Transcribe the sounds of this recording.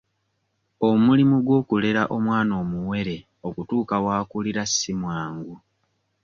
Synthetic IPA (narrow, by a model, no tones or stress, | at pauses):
o̞mulimuɡwo̞ːkule̞ɾaʔo̞mwaːno̞ːmuwe̞ɾe̞ | o̞kutuːkawaːkuliɾasːimwaːŋɡu